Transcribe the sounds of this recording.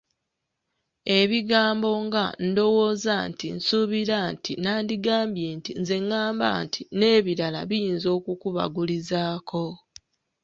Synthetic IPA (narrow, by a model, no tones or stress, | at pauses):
e̞βiɡaːmbo̞ŋɡando̞wo̞ːzantinsuβiɾantinaːndiɡaːmbje̞ːntinze̞ŋːaːmba̰ːntʰine̞ːβiɾala̰βijiːnzo̞ːkukuβa̰ɡulizaːkʰo̞